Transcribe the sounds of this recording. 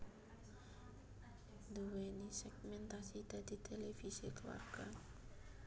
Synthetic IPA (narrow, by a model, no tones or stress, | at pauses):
d̪uwenisɛɡmɛnt̪asit̪ad̪it̪ʰelɛfisikəwa̰rɡan